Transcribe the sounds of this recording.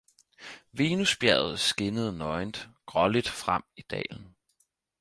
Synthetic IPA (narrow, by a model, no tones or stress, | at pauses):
ʋe̝ːnusb̥jæɐð̩ˠsɡ̥e̝nəð̞ˠnɒ̽ɪnd̥ɡ̥ʁɒlid̥fʁam̰id̥ɛ̰ːln̩